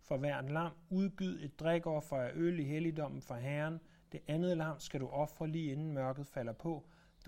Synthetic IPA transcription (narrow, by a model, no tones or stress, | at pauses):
fɒ̽ʋæɐ̰d̥lɑ̈m̰uð̞ˠb̥yð̞̩̰ˠe̝d̥̚ːʁɛɡ̥ɒ̰ːfɒæʔøliɦelid̥ɒ̽m̰n̩fɑ̈ɦæɐn | d̥e̝ʔænð̞̩ˠlɑ̈m̰sɡ̥æɾuʔɒ̽fʁɐliːe̝nn̩mɶɐɡ̥ð̞̩ˠfæl̰ɐpʰɒ̽ | d̥